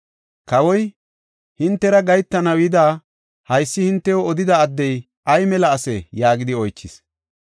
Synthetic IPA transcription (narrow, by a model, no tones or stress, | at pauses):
kɐwɔj | hɪnt̪ːɛɾɐɡɐjt̪ːɐnɐwjɪd̪aː | hɐjsːɪhɪnt̪ːɛjoɔd̪ɪd̪ɐːd̪ːɛj | ʔɐjmɛlɐːsɛjaːɡɪd̪ɪɔjt͡ʃːɪs